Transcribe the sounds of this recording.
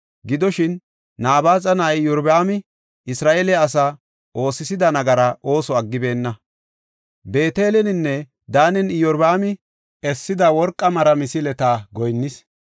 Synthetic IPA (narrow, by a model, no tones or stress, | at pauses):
ɡɪd̪ɔʃɪnː | aːbaːt͡sʼɐnaɪjɔɾbaːmɪ | ɪsɾaːʔelɛːs̬ɐ | ʔo̞ːsɪsɪd̪ɐnɐɡɐɾɐʔo̞ːsɔɐɡːɪbe̞ːnːɐ | be̞ːt̪e̞ːlɛnɪnːɛ | d̪aːnɛnɪjɔɾbaːmɪ | ɛsːɪd̪ɐwɔɾkʼːɐmɐɾɐmɪsɪlɛt̪aːɡɔjnːɪs